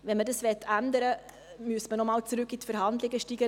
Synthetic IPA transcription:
ʋɛnmədɑsʋɛtʰːænd̪əɾə | myəstmənɔmɑːlt͡sɾʉkːitfəɾhɑnd̪lɪɡəʃtiːɡə

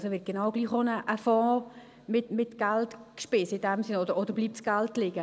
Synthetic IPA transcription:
soʋɪt̚ɡ̥enɑʊɡ̥liːχonəʔəfɑ̃ː | mɪtmɪtɡ̥æltkʃpɪsəɪdæmsɪnɔdəɾɔd̪əɾbliːp̚tsɡ̥æltlɪɡ̥ə

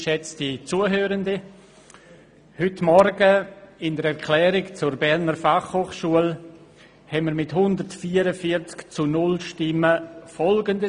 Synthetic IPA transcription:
ʃɛt͡stit͡suəɦøːɾəndi | hʏtmɔɾɡəɪndəɾɛɾkʰlɛːɾɪkt͡sʊɾbɛɾnəɾfaχhoːχʃuəl | hɛnməɾmɪtɦʊndəɾtfiːəɾəfiɾt͡skt͡sunʊlʃtɪməfɔlɡəndə

